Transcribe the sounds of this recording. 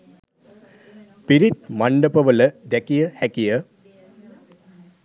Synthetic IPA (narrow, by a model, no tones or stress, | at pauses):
piɾit̪̚maɳɖəpəʋələd̪ɛkijəhækijə